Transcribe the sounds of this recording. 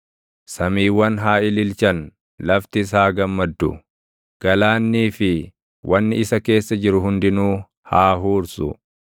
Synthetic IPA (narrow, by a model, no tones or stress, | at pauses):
sɐmiːwːɐnɦaːɪlɪlt͡ʃɐn | lɐft̪ɪs̬aːɡɐmːɐd̪ːʊ̰ | ɡ̥ɐlaːnːiːfɪ | wʔɐnːɪɪsɐke̞ːsːɐd͡ʒɪɾʊɦʊnd̪ɪnuː | haːɦuːɾsʊ̰